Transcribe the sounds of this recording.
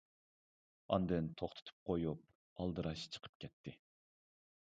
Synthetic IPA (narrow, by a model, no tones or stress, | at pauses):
ɑ̰nd̪ɨnt̪ʰoχt̪ʰɨ̥t̪ʰɨ̥p̚qʰojup̚ | ɑlˠd̪ɨɾɑʃt͡ʃʰə̥qʰə̥p̚kʲʰɛt̪ʰːɪ